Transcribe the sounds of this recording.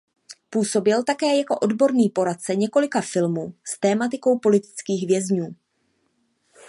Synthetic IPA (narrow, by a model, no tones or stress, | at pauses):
puːso̞bɪlt̪akɛːjako̞ʔo̞dbo̞ɾniːpo̞ɾat̪̚t͡sɛɲɛko̞lɪkafɪlmuːst̪ɛːmat̪ɪko̞wpo̞lɪt̪ɪ̥t͡skiːɣvjɛzɲuː